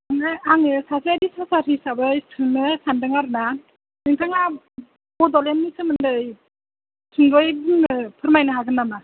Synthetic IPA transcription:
aŋɯaŋɯsasaadisasaɾisabɯjsɯnɯsʰandɯŋaɾɯna | nɯŋtʰaŋa | bɔdɔlemnisɯmɯndɯj | sʰɯŋɡɔjbɯŋnɯpʰɯɾmajnɯɦaɡɯnama

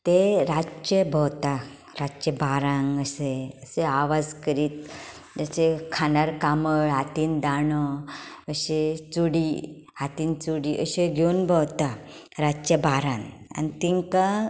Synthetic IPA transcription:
t̪eɾat͡ɕəbʱəwt̪a | ɾat͡ɕəbaɾãŋəseəseaʋad͡zkəɾiːt̪̚ | d͡ʑat͡ɕekʰanaɾkaməɭɦat̪iːnd̪aɳɔəɕet͡suɽi | ɦat̪iːnt͡suɽiʔəɕeɡʱeunbʱəwt̪a | ɾat͡ɕjəbaɾãna̰nit̪iŋka

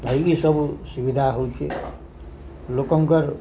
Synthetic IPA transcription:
ɦʌjkisʌbusubid̪ʱaɦokʰi | lokʌŋkʌɾ

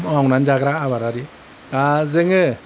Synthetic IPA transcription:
aŋnanzaɡɾaaβaɾaɾi | tazɯŋɯ

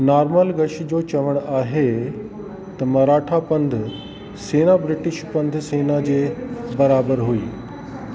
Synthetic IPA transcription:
naːɾməlɡɐʃ̆d͡ʑoːt͡ɕɐʋəɽ̃aːɦe | t̪ɐmɐɾaːʈʰapɐ̃nd̪ʱ | seːnabɾɪʈɪʃpɐ̃nd̪ʱseːnad͡ʑeːbɐɾaːbəɾɦuiː

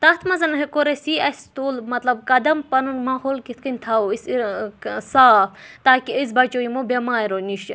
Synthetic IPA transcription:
t̪ɐt̪ʰmɐzɐnɦekoɾɐsiɐst̪uːlmɐt̪lɐbkɐd̪ɐmpɐnunmaːɦoːlkit̪ʰkɐnʲt̪ʰawisisaːft̪aːkiizbɐt͡ʃoimobʲemaːɾoniʃ

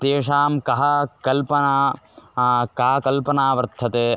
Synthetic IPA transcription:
t̪eːʂaːmkɐɦɐkɐlpɐnaː | kaːɐkɐlpɐnaːʋɐɾt̪ʰːɐt̪eː

